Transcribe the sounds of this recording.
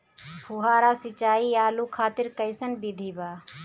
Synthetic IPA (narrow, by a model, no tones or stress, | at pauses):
bʰʊɦaːɾaːsɪt͡ʃaːiːaːluːkʰaːt̪ɪɾkəɪsənbid̪ʱiːbaː